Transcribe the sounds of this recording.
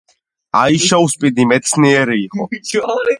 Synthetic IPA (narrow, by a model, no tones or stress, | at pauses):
ajʃawspʼid̪imɛt̪sʰniɛɾiːχɔ̰